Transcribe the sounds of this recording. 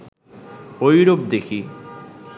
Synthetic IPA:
ojɾop̚d̪ekʰi

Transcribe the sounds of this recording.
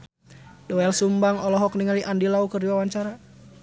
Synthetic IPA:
dɔɛlsumbaŋɔlɔɦɔkniŋaliʔandilaukərdiwawaɲt͡ʃaɾa

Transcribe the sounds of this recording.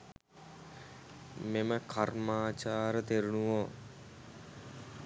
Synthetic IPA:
meməkʰarmaːt͡ʃaːɾət̪eɾunuʋo

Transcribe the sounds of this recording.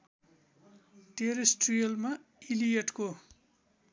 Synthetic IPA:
ʈeɾesʈrijʌlmailijeʈko

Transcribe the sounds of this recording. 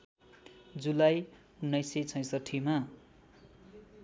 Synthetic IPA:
d͡zulaj | unːʌjset͡sʰʌ̃j̃sʌʈʰːima

